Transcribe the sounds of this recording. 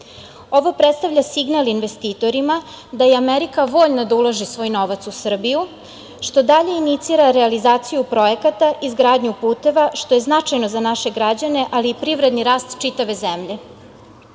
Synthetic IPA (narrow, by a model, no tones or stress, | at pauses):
o̞ʋopɾet̪st̪avʎʲasiɡnalinʋe̞st̪iːt̪o̞ɾima | d̪ajeameɾikaʋo̞ːʎnad̪aulˠaʒisʋo̞ːjno̞ʋat̪susr̩biju | ʃt̪o̞d̪aʎe̞init̪siɾaɾealizaːt̪sijupɾo̞jekat̪aʔizɡɾaːd̪ɲupuːt̪e̞ʋaʃt̪o̞je̞znat͡ʂajnozanaʃe̞ɡɾad͡ʑane̞ʔaliːpɾiʋɾe̞d̪niɾaːst̪t͡ʃit̪aʋe̞zemʎe̞